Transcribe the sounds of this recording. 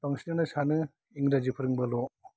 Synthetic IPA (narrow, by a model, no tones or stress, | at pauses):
tɔŋsinɯnɯsanɯ | iŋɾad͡ʒipʰɯɾɯŋbalɔ